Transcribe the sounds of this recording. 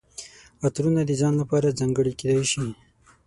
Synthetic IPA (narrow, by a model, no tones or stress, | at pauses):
at̪ɾunad̪əd͡ʒɑnlapɑɾad͡zaŋɡəɽiked̪ajʃi